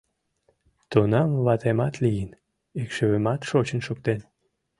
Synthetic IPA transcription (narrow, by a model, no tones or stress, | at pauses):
t̪onɑmβɑt̪emɑt̪lijən | ekʃeβemɑt̪ʃot͡ɕənʃok̚t̪en